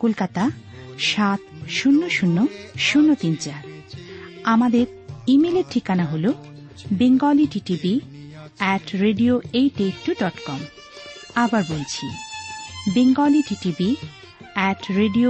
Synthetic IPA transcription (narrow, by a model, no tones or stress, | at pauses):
kolkat̪aʃat̪̚ʃunːoʃunːoʃunːot̪int͡ɕa | amad̪eɾ | imeleɾʈʰikanaɦolo | beŋɡaliʈiʈibi | ɛʈɾeɖioejʈeʈːuɖɔʈkɔm | abaɾbolt͡ɕʰḭ | beŋɡaliʈiʈibi | ɛʈɾeɖio